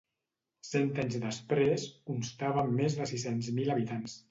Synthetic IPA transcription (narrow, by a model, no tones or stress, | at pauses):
sɛnt̪aɲzðəspɾeskunst̪aβəmːezðəsisenzmiləβit̪ans